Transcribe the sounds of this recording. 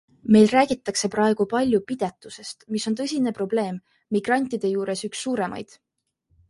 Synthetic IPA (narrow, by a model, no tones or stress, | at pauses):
me̞jlræːɡ̥it̪ːˑɑkse̞prɑe̞ɡ̥upɑlʲjupid̪̥e̞t̪ːˑuse̞st̪miso̞nt̪ɤ̞sʲine̞pro̞ble̞ːmː | iɡ̥rɑnʲt̪ˑid̪̥e̞juːɾe̞syksːuːɾe̞mʔɑ̰jd̪̥